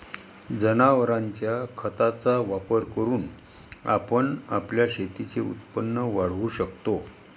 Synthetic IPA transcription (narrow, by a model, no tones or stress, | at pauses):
d͡zənaʋəɾaɲt͡ɕjakʰət̪at͡saʋapəɾkəɾuːn | a̰pəɳapljaɕet̪it͡seṵt̪pənːəʋaɽ̤ʋuɕəkt̪o